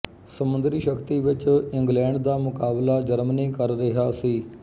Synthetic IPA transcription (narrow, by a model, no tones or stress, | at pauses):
səmʊ̃nd̪ɾiːʃəkt̪iːʋɪt͡ʃɪ̃ŋɡlɛ̃ːɳɖd̪aːmʊkaːblaːd͡ʒəɾməniːkəɾːɪɦaːsiː